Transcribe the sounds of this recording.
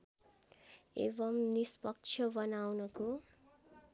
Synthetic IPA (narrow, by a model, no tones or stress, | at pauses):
ḛbʌmnispʌk̚t͡ʃʰʌbʌnawnʌko